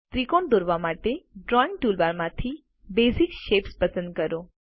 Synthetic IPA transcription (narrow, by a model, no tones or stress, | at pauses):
t̪ɾikond̪oɾʋamaʈeɖɾɔɪ̃ŋɡ̚ʈulbaɾmãt̪ʰi | bezikʃepspəsə̃nd̪̚kəɾo